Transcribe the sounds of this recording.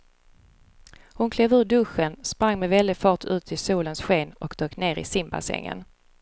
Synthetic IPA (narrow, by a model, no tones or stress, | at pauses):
hʊnkʰleːvʉ̟ːɖɵɧənspɾaŋːmɛvɛld̪ɪɡfɑːʈʰʉ̟ːt̪ʰɪsuːlənsɧeːnɔkd̪̥øːkneːɾɪ̰sɪmba̰sɛ̰ŋːə̰n